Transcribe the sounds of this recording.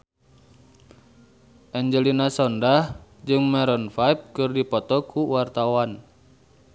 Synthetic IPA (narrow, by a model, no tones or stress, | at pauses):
ʔɛɲd͡ʒəlinasɔndahd͡ʒɨŋmɛɾɔnfajp̚kɨrdipɔt̪ɔkʰuwart̪awan